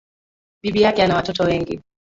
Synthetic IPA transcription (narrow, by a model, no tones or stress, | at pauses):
ɓiɓijakɛanawatɔtɔwɛŋɡḭ